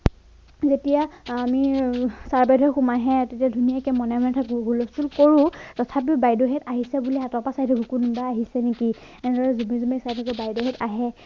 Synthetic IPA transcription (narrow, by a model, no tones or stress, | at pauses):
zetijaamisaɹbɛdʱɔxumaɦɛtetiadʱunijakɛmɔnɛmɛntʰakʊ̃ɦulɔstulkoɹʊ̃tɔtʰap̬ibajdɔɦɛtaɦisɛbuliatɔpasajtʰakukunbaaɦisɛneki | ɛnɛdɔɹɛzumizumesajtʰakʊbajdɔɦɛtaɦɛ